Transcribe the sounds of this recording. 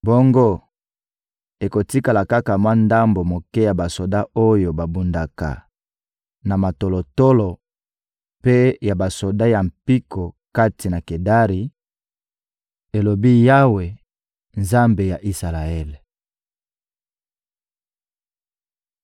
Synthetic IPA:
bo˦ŋɡo˦ | e˨ko˨ti˦ka˨la˨ka˦ka˨mwa˦nda˦mbo˨mo˨kɛ˦ja˨ba˨so˨da˦o˦jo˨ba˨bu˨nda˨ka̰˨ | na˨ma˨to˨lo˨to˦lo˨ | pe˦ja˨ba˨so˨da˦ja˨m̩˨pi˦kʰo˨ | ka˦ti˨na˨ke˨da˦ʁi˨ | e˨lo˨bi˦ja˦we˨ | nza˦mbe˨ja˨ʔi˦sa˨la˨ɛ˦l

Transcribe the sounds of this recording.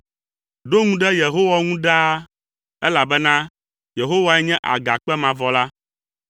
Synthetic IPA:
ɖo˦ŋũ˦ɖɛ˦je˨ɦo˦wa˦ŋũ˦ɖa˦ | ɛ˦la˨bɛ˦nã˦ | je˨ɦo˦wa˦ɛ˦ɲɛ̃˦ʔa̰˨ɡa˨k͡pɛ˦mã˨vɔ˨la˦

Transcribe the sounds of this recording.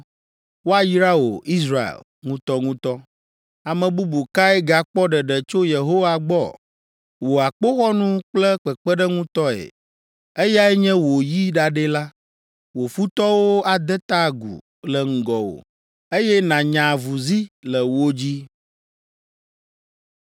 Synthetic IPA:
wo˦a˨ji˦ɾa˦wo̰˨i˦s̬ɾa˦ḛ˨l | ŋũ˦t̪ɔ˦ŋũ˦t̪ɔ˦ | a˨mə̃˨bu˦bu˨ka˦ɛ˦ɡa˨k͡pɔ˦ɖə˨ɖə˨t͡ʃo˦je˨ɦo˦wa˦ɡ͡bɔ̰˦˨ | wo˨a˨k͡po˦xɔ˦nũ˦k͡plə˦k͡pə˨k͡pə˦ɖə˦ŋũ˦t̪ɔ˦ḛ˨ | e˦ja˦ɛ˦ɲɛ̃˦wo˨ji˦ɖa˨ɖe˦la˦ | wo˨fu˦t̪ɔ˦wo˦a˨d̪ɛ˦t̪a˦˨ɡṵ˨ | lə˨ŋ̩˨ɡɔ˨wo̰˨ | e˦jɛ˦nã˨ɲã˨vu˨zi˦lə˨wo˦d͡ʑi˦

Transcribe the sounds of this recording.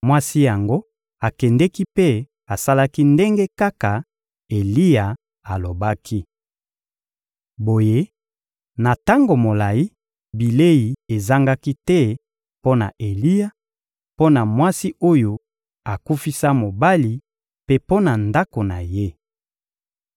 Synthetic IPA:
mwa˦si˦ja˨ŋɡo˦ | a˨kɛ˨ndɛ˦ki˦pe˦ | a˨sa˦la˦ki˦nde˦ŋɡe˦ka˦ka˨ | e˨li˦ja˨ | a˨lo˨ba˦kʰi˦ | bo˨je˦ | na˨ta˦ŋɡo˨mo˨la˨ji˦ | bi˨le˦i˨e˨za˦ŋɡa˦ki˦tɛ˦ | po˦na̰˨ʔe˨li˦ja˨ | po˦na˨mwa˦si˦o˦jo˨ | a˨ku˦fi˦sa˦mo˨ba˦li˨ | pe˦po˦na˨nda˦ko˨na˨je˦

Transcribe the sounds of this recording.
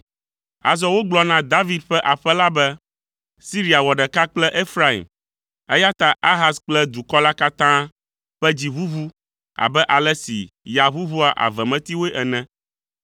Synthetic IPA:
a̰˨zɔ˦wo˦ɡ͡blɔ˦nã˦d̪a˦vi˨d̪̚ɸɛ˦ʔa˨ɸɛ˦la˦bɛ˦ | si˦ɾi˦a˨wɔ˨ɖɛ˨ka˦k͡plɛ˦ʔe˦fɾa˦ḭ˨m | ɛ˦ja˦t̪a˨ʔa˦ɦa˦sk͡plɛ˦d̪u˨kɔ˦la˦ka˦t̪ã˦ | ɸɛ˦d͡ʑi˨βu˦βu˦ | a̰˨bɛ˦ʔa˨lɛ˦sḭ˨ja˨βu˦βu˦a˨ʔa̰˨vɛ˨mɛ̃˦t̪i˦wo˦e˦ʔɛ˨nɛ̃˦

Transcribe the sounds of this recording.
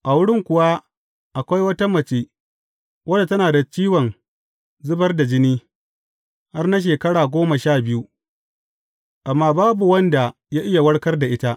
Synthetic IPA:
ʔa˨wʊ˦ɽɪ˦ŋkʷʊ˨wa˦ | ʔa˨kʷa˦jwɐ˦ta˦mɐ˨t͡ʃeː˦ | wʔɐ˦da˨tɐ˦naː˨da˨t͡ʃiː˦wɐ˨n | zʊ˦bɐ˦rda˨d͡ʒɪ˦niː˦ | ha˦rna˦ʃ̬eː˨kɐ˦ɽaː˨ɡʷoː˦mɐ˨ʃaː˦˨bɪ˦ju˦ | ʔa˨mːaː˦baː˦bu˨wɐ˦nda˨ | ja˦ʔɪ˦ja˨wɐ˦ɽkɐ˦rda˨ʔɪ˦ta˦ʔ

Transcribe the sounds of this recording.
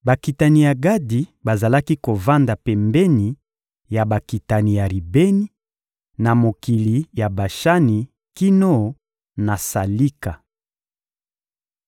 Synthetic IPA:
ba˨ki˨ta˨ni˨ja˨ɡa˦di˨ba˨za˨la˦ki˦ko˨va˦nda˨pɛ˨mbɛ˦ni˨ | ja˨ba˨ki˨ta˨ni˨ja˨ɾi˨be˦ni˦ | na˨mo˨ki˨li˨ja˨ba˨ʃa˦ni˨ | ki˦no˦˨ | na˨sa˨li˦ka˨

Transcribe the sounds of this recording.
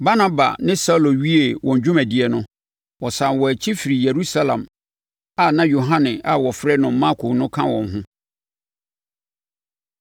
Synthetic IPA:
ba˦na˦ba̰˨nɪ̃˦sa˦lo˨ɥi˦e˨wɔ̃˨ɲ˨d͡ʑᶣũ˦mæ˨dɪ˨ɛ˨nʊ̃˦ | wɔ˨sã˨nwɔ˨æ˨t͡ɕʰi˦fi˨ɾi˨je˨ɾu˦sa˦lã̰˨m | a˨nã˦jo˨ɦã˦nɪ̃˨a˨wɔ˨fɾɛ˦nʊ̃˨m̩˦mã˦kʰo˨nʊ̃˦kʰã˦wɔ̰̃˨ŋ˨ɦʊ̃˦

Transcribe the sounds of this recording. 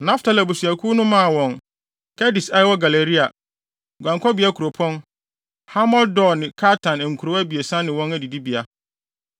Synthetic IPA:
nã˦ftʰa˨læ˨bu˨su˨æ˨kʰu˦nʊ̃˦mã˦˨wɔ̃˨ŋ | kʰɛ˦di˨sa˦jɪ˦wɔ˦ɡa˨le˨ɾi˦a˨ | ɡʷã˨ŋkʰɔ˦bi˨˦a˦kʰu˨ɾo˨pʰɔ̃˦n | ha˦mɔ˦ldɔ˦˨nɪ̃˨kʰa˦tʰã˨n˨ŋ̩˨kʰu˨ɾo˨˦æ˦bi˨e˨sã˦nɪ̃˨wɔ̃˦næ˨di˨di˦bi˨a˦

